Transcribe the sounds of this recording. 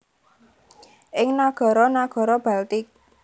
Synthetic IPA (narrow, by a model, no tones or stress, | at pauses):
ʔɪŋnaɡ̥ɔ̤ɾɔnaɡ̥ɔ̤ɾɔb̥a̤lt̪ɪk̚